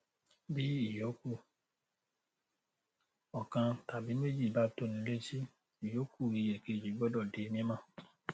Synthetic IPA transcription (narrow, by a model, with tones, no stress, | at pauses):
bi˦i˦˨jo˨˦ku˦˨ | ɔ˨kã˧ta˨bi˨˦me˦d͡ʒi˦˨ba˨˦to˦˨nĩ˨˦le˦si˦ | i˨jo˨˦kʰu˦˨i˨˧jɛ˨ke˧˨d͡ʒi˨˦ɡ͡bɔ˦dɔ˦˨de˨˦˧mĩ˧ɛ˦mã˦˨